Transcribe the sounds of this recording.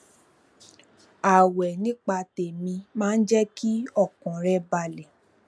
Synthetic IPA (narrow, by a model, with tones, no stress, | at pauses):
a˨wɛ˨nĩ˦k͡pa˧te˨mĩ˧mãː˦n̩˦d͡ʒɛ˦ki˦ɔ˦˨kɔ̃˨ɾɛ˧ba˧˨lɛ˨